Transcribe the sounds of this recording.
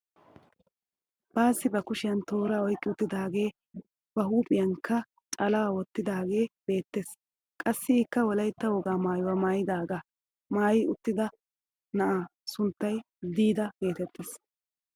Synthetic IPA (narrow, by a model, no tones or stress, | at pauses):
b̥aːsːɪbɐkʊʃɪjɐnt̪o̞ːɾaːɔjkʼːɪʊt̪ːɪd̪aːɡe̞ː | b̥ɐɦuːpʼɪjɐŋkːɐ | t͡ʃʼɐlawɔt̪ːɪd̪aːɡe̞ːb̥e̞ːt̪ːe̞s | kʼɐsːɪɪkːɐwɔlɐjt̪ːɐwɔɡaːmaːjʊwaːmaːjɪd̪aːɡaː | maːjɪʊt̪ːɪd̪ɐ | nɐʔaːsʊnt̪ːɐj | d̪iːd̪ɐɡe̞ːt̪ɛt̪ːeːs